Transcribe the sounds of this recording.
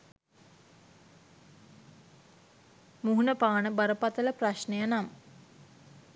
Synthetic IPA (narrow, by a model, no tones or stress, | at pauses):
muɦunəpaːnəbaɾəpat̪ələpraʃnejənamə